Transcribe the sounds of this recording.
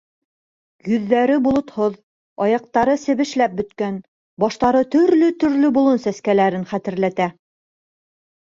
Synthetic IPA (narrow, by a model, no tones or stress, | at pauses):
jɵ̆ðːæɾɘbulˠŏt̪hoð | ɑjɑq̚t̪ɑɾɤsɘ̆βɘ̆ʃlæp̚bɵ̆t̪kæn | bɑʃt̪ɑɾɤt̪ɵ̆ɾlɵt̪ɵ̆ɾlɵbulˠonsæskælæɾɘnχæt̪ɘ̆ɾlæt̪æ